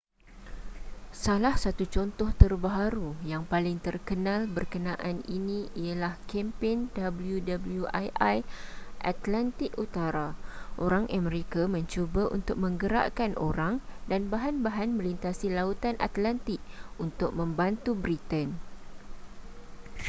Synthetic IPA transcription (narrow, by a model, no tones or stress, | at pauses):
salahsat̪ut͡ʃɔnt̪ɔht̪ərbaɦaɾujaŋpalɪŋt̪ərkənãlbərkənãʔaninĩialahkɛmpɛndabəljudabəljuʔajʔajʔa̰t̪lant̪ɪkut̪aɾaʔoɾaŋʔaməɾekamə̃ɲt͡ʃobaʔṵnt̪ʊk̚mə̃ŋɡəɾa̰ʔkanʔo̰ɾaŋdanbaɦanbaɦanmə̃lint̪asilaut̪anʔa̰t̪lant̪ɪk̚unt̪ʊk̚mə̃mbant̪ubɾit̪ən